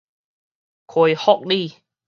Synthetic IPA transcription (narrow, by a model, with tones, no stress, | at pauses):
kʰo˨˧˩jhɔ˥˨k̚li˥˨